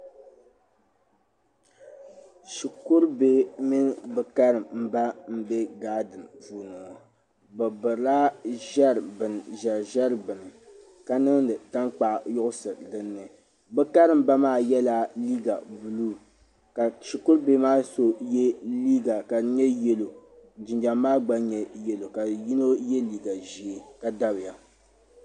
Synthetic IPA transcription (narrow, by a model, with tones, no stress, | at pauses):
ʃi˨kʊ˦ɾbe˦mi˦n˦bɨ˨ka˦ɾɨ˨mm̩˦ba˦m̩˦bɛ˦ɡaː˦dɨ˨npuː˨nɔ˨ | bɨ˨bɨ˨la˦ʒɛ˦ɾbɨ˨n˨ʒɛ˨ɾʒɛ˦ɾbɨ˨nɨ˨ | ka˦nɨ˦ŋdɨ˨ta˦ŋk͡pa˨ʔjʊ˦ʔʊ˦sɨ˨ɾdɨ˦nːɨ˨ | bɛ˦ka˦ɾɨ˨m˦ba˦maː˦˨jɛ˦la˦li˦ɡa˨bu˨luː˦˨ | ka˨ʃi˨kʊ˦ɾbe˦maː˦so˦jɛ˦li˦ɡa˨ka˨˦ɲɛ˦jɛ˦lo˨d͡ʒɪ˨nd͡ʒa˨mːaː˦ɡ͡ba˦ɲɛ˦jɛ˦lo˨ka˨ji˦no˦jɛ˦liː˦ɡa˨ʒi˨ka˦da˦bɨ˨ja˦